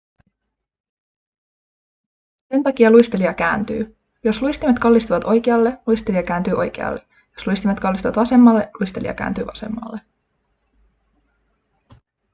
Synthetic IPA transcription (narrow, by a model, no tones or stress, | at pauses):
se̞nt̪ɑkiɑlujst̪eliɑkæ̰ːnt̪y̰ː | jo̞sluist̪imet̪kɑlːist̪uʋɑt̪o̞jkeɑlːe̞luist̪eliɑkæːnt̪yːʔo̞̰jk̟ḛɑ̰lːe̞ | josluist̪imet̪kɑlːist̪uʋɑt̪ʋɑse̞mːɑlːe̞lujst̪elḭɑ̰kæ̰ːnt̪y̰ːʋɑse̞̰mːɑ̰lːe